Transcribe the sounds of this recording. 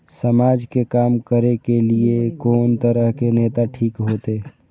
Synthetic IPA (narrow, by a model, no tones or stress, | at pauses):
səmaːd͡ʒkekaːmkəɾekeliekoːnt̪əɾəɦkeneːt̪aʈʰiːkɦoːt̪eː